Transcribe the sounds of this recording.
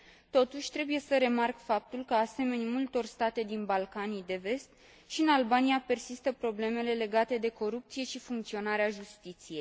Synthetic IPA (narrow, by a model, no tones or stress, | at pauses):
t̪o̞t̪uʃʲt̪ɾe̞buje̞səɾe̞markfap̚t̪ulkəase̞me̞nimult̪o̞rst̪at̪e̞d̪inbalkanid̪e̞ve̞st̪ | ʃiɨnalbanijape̞rsist̪əpɾo̞ble̞me̞le̞le̞ɡat̪e̞d̪e̞ko̞ɾup̚t̪sije̞ʃifuŋk̚t̪sio̞naɾeaʒust̪it̪sije̞jj